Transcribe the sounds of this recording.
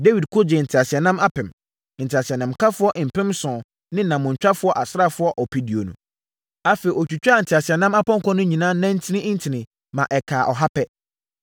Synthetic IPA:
de˦wi˨dkʰo˦d͡ʑɛ˨n̩˨tʰɪ˨a˨sɪ˨ɛ˨nã˦ma˦pɛ̃˨m | n̩˨tʰɪ˨a˨si˨ɛ˨nã˨mkʰa˦fʊ˦ɔ˦ʔm̩˨pʰɪ̃˦msɔ̃˨ | nɪ̃˦nã˨mʊ̃˨ɲ̩˨t͡ɕᶣa˦fʊ˦ɔ˦ʔa˨sa˦fʊ˦ɔ˦ʔɔ˨pʰi˦di˨o̰˨nṵ̃˨ | a˦fe˨i˨ɔ˨t͡ɕᶣu˨t͡ɕᶣa˦˨n̩˨tʰɪ˨a˨sɪ˨ɛ˨nã˦ma˦pɔ̃˦ŋ˦kɔ̃˦nʊ̃˦ɲĩ˨nãː˦nã˦n̩˦tʰɪ˦nɪ̃˦n̩˦tʰɪ˨nɪ̃˨ | mã˨ʔɛ˨kʰaː˨ʔɔ˨ɦa˦pʰɛ˦

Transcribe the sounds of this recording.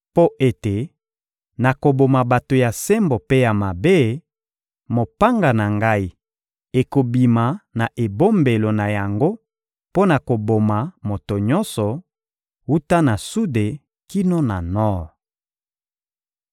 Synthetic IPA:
po˦ʔe˦te˨ | na˨ko˨bo˨ma˨ba˨to˨ja˨se˦mbo˨pe˦ja˨ma˨be˦ | mo˨pa˦ŋɡa˨na˨ŋɡa˦i˦ | e˨ko˨bi˨ma˨na˨ʔe˨bo˦mbe˨lo˨na˨ja˨ŋɡo˦ | po˦na˨ko˨bo˨ma˨mo˨to˨ɲɔ˦nsɔ˨ | wu˦ta˦na˨su˦de˨ | ki˦no˦na˨nɔ˦ʁ

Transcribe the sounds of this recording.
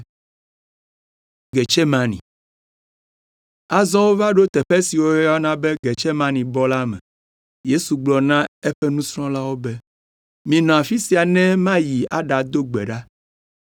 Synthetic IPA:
ɡe˨t͡ʃɛ˦mã˨nḭ̃˨ | a˦zɔ̃˦wo˦va˦ɖo˦t̪ɛ˨ɸɛ˦si˨wo˦a˦nã˦bɛ˦ɡe˨t͡ʃɛ˦mã˦nĩ˨bɔ˦la˦mɛ̃˨ | je˦su˨ɡ͡blɔ˨nã˦e˦ɸɛ˦nũ˦sɾɔ̃˦la˦wo˦bɛ˦ | mĩ˨nɔ̃˨a˨fi˦si˨a˨nɛ̃˦mã˦ji˨a̰˦ɖa˨d̪o˦ɡ͡bɛ̰˨ɖa˦

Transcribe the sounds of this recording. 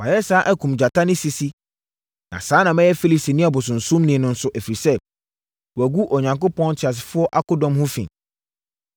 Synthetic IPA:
wa˨jɛ˦saː˦ʔæ˦kʰũ˨md͡ʑa˨tʰa˦nĩ˦si˨si˦ | nã̰˨saː˨˦nã˨mɛ̃˦jɛ˦fi˦li˨si˨nĩ˦a˨bʊ˨s̬ʊ̃˨n̩˨sũ˦mnĩ˨nʊ̃˦n̩˦sʊ˦ʔæ˨fɾi˨sɛ˦˨ | wæ˨ɡu˦ʔɔ˨ɲã˨ŋkʊ˦pʰɔ̃˦n˦tʰɪ˨a˨s̬fʊ˦ɔ˦ʔa˦kʊ˦dɔ̃˨mhʊ̃˦fḭ̃˨

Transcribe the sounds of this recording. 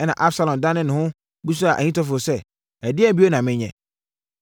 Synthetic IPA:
ɛ˦nã̰˨ʔa˦bsa˨lɔ̃˨m˨dã˦nɪ̃˦nɪ̃˨hʊ̃˦ | bu˦s̬u˦a˨ʔæ̰˨ɲĩ˦tɔ˦fo˨sɛ˦ | ɛ˨dɪ˦ɛ˦˨bi˦o˦nã˨mɪ̃˦ɲɛ̰̃˨

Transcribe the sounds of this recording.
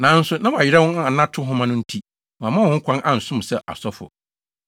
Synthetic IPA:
nã˨˦n̩˦sʊ˦nã˦wɔ˨a˨ɪ˨ɾɛ˦wʊ̃˦n˦˨a˨nã˦tʰʊ˦ɦʊ̃˦mã˦nʊ̃˦n̩˦tʰi˦ | mɔ̃˨a˨mã˦wʊ̃˦ŋ̩˦kʷʰã˦nʔã˨n̩˨sʊ̃˦m˨sɛ˨ʔa̰˨sɔ˦fʊ̰˨

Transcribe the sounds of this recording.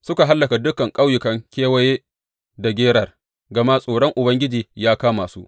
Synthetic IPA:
sʊ˦ka˨ɦa˦lːɐ˨ka˨dʊ˦kɐ˨ŋkʼa˦wjʊ˨kɐ˦ŋkʲeː˦wɐ˦jeː˦ | da˨ɡʲeː˦ɽɐ˨r | ɡɐ˨ma˦sʼoː˨ɽɔ˦ŋʔʊ˨bɐ˦ŋɡʲɪ˦d͡ʒiː˨jaː˦kaː˦maː˨sṵ˦ʔ

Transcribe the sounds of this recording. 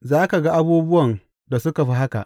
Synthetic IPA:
zaː˦ka˨ɡa˦ʔa˦buː˦bʊ˦wɐ˨n | da˨sʊ˦ka˨ɸi˦ɦa˦ka̰˨ʔ

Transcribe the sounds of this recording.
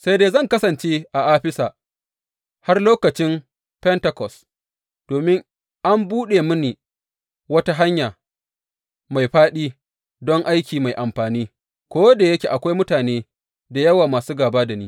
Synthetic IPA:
sa˦jdeː˦zɐ˦˨ŋkɐ˦sɐ˨nt͡ʃeː˦ʔa˨ʔaː˦ɸɪ˦saː˨ | ha˦rloː˦kɐ˨t͡ʃɪ˦m | pɛ˦ntɐ˨kɔ˨s | d̥oː˨mɪ˦ŋ | ʔa˦mbuː˦ɗe˨mʊ˦niː˨ | wɐ˦ta˦ɦa˦ɲjaː˨ | ma˨jɸaː˦ɗiː˦ | dɔ˦ŋʔa˦jkʲiː˨ma˨jʔa˨mɸaː˨niː˦ | kʷoː˦da˨jɐ˦kʲeː˨ʔa˨kʷa˦jmʊ˦taː˨neː˦ | da˨jɐ˦waː˨maː˨suː˦ɡaː˨baː˦da˨niː˦

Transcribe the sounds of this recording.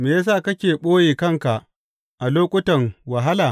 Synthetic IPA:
meː˨ja˦s̬aː˦˨kɐ˦kʲeː˨ɓoː˦jeː˨kɐ˦ŋka˨ʔ | ʔa˨loː˦kʷʼʊ˦tɐ˨ŋwa˨ɦa˦laː˨

